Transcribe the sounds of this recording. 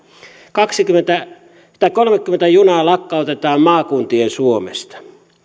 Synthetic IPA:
kɑksikyment̪æ | t̪ækolmekːymːent̪æjunɑːlɑkːɑˑot̪et̪ɑːmmɑːkunt̪iensuomḛst̪ɑ̥

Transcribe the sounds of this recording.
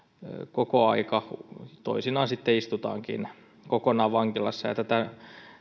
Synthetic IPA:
kokoɑikɑt̪o̰isinɑːnsit̪ːeist̪ut̪ɑ̰ːŋkḭn | kokonɑːʋɑŋkilɑsːɑjɑ̰t̪æt̪æ

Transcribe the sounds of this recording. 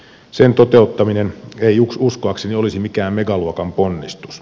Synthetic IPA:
sent̪ot̪eˑut̪ːɑmineneiuksuskoɑkseniolisimikæːmmeɡɑluokɑmponːist̪u̥s

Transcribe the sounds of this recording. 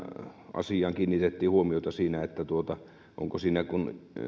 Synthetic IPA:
ʔɑ̰sijɑŋkiːnːit̪et̪ːiːhuomiot̪ɑsiːnæet̪ːæt̪uot̪ɑ | ʔo̰ŋkosiːnækun

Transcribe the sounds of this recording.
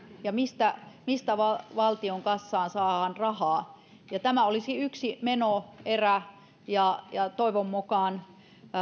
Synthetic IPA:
jɑmist̪æmist̪æʋɑʋɑlt̪ioŋkɑsːɑːnsɑːhɑnrɑhɑː | jɑt̪æmæolisiyksimenoeræ | jɑjɑt̪oiʋomːukɑːˑn

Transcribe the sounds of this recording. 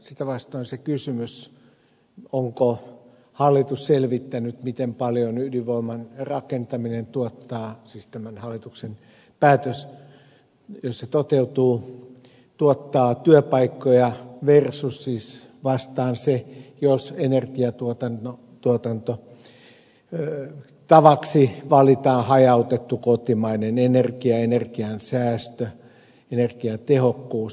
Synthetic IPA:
sit̪æʋɑst̪oːnsekysymys | oŋko | hɑlːit̪usselʋit̪ːænyt̪mit̪empɑljonyliʋoimɑnrɑkent̪ɑminent̪uot̪ːɑːsiːst̪æmænhɑlːit̪uksen | pæːt̪øs | josset̪ot̪eut̪uː | t̪uot̪ːɑːt̪yøpɑikːojɑʋersusːisʋɑst̪ɑːnsejosenerkiɑt̪uot̪ɑno | t̪uot̪ɑnt̪o | t̪ɑʋɑksiʋɑlit̪ɑːhɑjɑut̪et̪ːukot̪imɑinenenerkiɑenerkiɑnsæːst̪ø | enerkiɑt̪ehokːuːs

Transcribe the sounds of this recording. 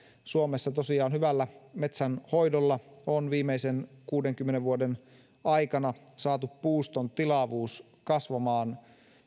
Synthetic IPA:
suomesːɑt̪osiɑːnhyʋælːæmet̪sænho̞jdolːɑonʋiːmeisenkuːdeŋkymːeneʋʋuoden | ɑikɑnɑ | sɑːt̪uppuːst̪ont̪ilɑʋuːs | kɑsʋɑmɑːn

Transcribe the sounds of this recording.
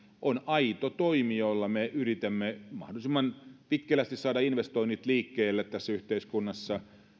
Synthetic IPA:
ʔonɑit̪ot̪oimiolːɑmeyrit̪emːemɑ̰hdolisemːɑnpit̪kːelˑæst̪issɑːdɑinʋest̪oinːit̪liːkːeːlːet̪t̪æsːæyht̪eiskunːɑsːɑ

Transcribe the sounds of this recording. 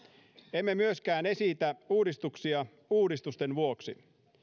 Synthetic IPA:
emːe̞myøskæːne̞sit̪æuːdist̪uksiɑ | uːdist̪ust̪e̞nʋuoksḭ

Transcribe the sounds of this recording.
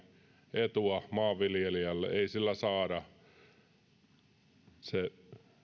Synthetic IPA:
et̪uɑmɑːʋʋiljelijɑlːḛʔeisilːæsɑːɾɑ | se

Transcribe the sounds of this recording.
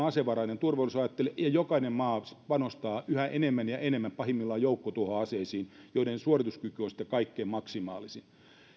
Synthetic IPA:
ɑseʋɑrɑinent̪urʋolːˑisɑjɑt̪ːelejɑjokɑinemmɑːspɑnost̪ɑːʔyhæʔenemːænjɑʔenemːæmpɑhimːilːɑːjoukːot̪uohoɑseːsiːnjoinensuorit̪uskykyonsi̥t̪ːekɑikːeːmmɑksimɑ̰ːlisin

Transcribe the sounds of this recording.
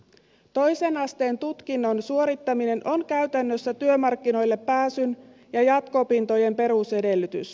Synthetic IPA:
t̪o̞jse̞nɑst̪e̞ːnt̪ut̪k̟inːo̞nsuo̞ɾit̪ːɑmine̞nʔo̞nkæyɥt̪ænːøsːæt̪yømɑrkːino̞jlːe̞pːæːsyn | jɑjɑt̪ko̞pint̪o̞je̞mpe̞ɾuse̞de̞lːyt̪y̰s

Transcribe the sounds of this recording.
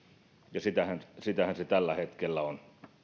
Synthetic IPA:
jɑsit̪æhænsit̪æhænset̪ælːæhet̪kelːæon

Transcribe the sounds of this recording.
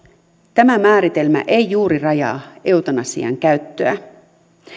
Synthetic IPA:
t̪æmæmæːɾit̪e̞lmæ̰ʔe̞jjuːɾirɑjɑ̰ːe̞wt̪ɑnɑsḭɑ̰ŋkæɥt̪ːøæ

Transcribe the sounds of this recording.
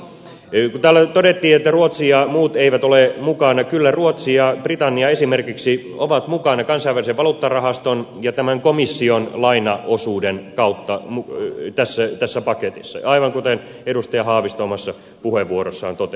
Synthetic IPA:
kut̪æːlːæt̪odet̪ːiːet̪ːæruot̪siɑmuːt̪eiʋæt̪olemukɑnɑkylːæruot̪siɑprit̪ɑnːiɑesimerkiksi | oʋɑt̪mukɑnɑkɑnsɑiʋæliseʋɑlut̪ːɑrɑhɑst̪onjɑt̪æmæŋkomisːionlɑinɑosuːdenkɑut̪ːɑmut̪æsːæt̪æsːæpɑket̪isːɑ̰ɑiʋɑŋkut̪en | edust̪ɑjɑhɑːʋist̪oːmɑsːɑ | puheʋʋuorosːɑːnt̪ot̪e

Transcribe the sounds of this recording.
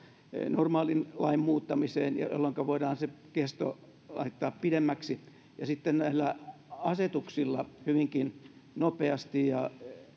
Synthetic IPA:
normɑːlinlɑimmuːt̪ːɑmiseːnjɑ̰jo̰lːoŋkɑʋoidɑːnsekest̪o̰ | lɑ̰it̪ːɑːppidemːæksi | jɑsit̪ːennæilːæɑset̪uksilːɑhyʋiŋkinnopeɑst̪ijjɑ

